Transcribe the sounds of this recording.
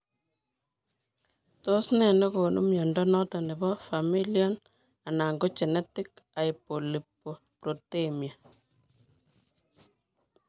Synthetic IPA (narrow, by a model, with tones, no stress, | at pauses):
to˦snɛ˨nɔ˦ko˨nʔṵ˦mjɔ˨ndɔ˦nɔ˦tɔ˨ne˨bɔ˦fa˨mi˦ljɔ˦n | a˨na˨ŋɡo˦t͡ʃɛ˨nɛ˦ti˦ka˨ipo˨li˨pːo˨ | prɔ˨te˦mja˨